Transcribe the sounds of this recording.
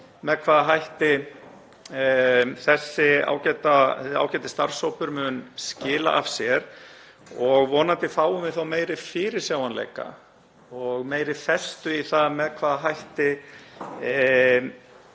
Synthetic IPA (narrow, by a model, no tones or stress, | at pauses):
mɛðkʰvaːðaɦajht̪ɪ | θɛsːɪa̰ːwcɛt̪asa̰ːwcɛːt̪ɪ̥st̪aɾ̥sowpʏɾmʏnscɪːla̰ʔafsjɛɾ̥ | ɔɣvɔːnant̪ɪfaːwʏmɪθawmeːjɾɪfɪːɾɪɾ̥sjaːwanlḛːjka̰ | ɔɣmeːjɾɪfɛst̪ʏiθaðmɛðkʰvaːðaɦajht̪ɪ